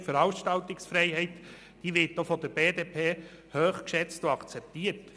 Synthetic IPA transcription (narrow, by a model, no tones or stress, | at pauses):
fəɾɑwʃtɑlt̪ɪksfɾɛɪɦɛɪt | d̥iːʋɪɾtːofɔd̪əɾbeːd̪eːpʰeː | høːχkʃɛt͡stoɑkt͡sɛp̚t̪iːət